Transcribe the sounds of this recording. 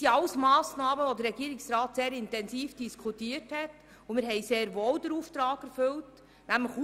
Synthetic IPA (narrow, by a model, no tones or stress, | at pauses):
iɑlsmɑːsnɑːməʋod̪əɾːɛɡiːɾɪksɾɑːtseːɾɪntɛnsiːfd̥iskʰutiːəɾthɛt | ʊmɪɾɦɛɪseːɾʋoːld̪əɾuːft̪ɾɑːɡ̥ɛɾfʏlt | næmləx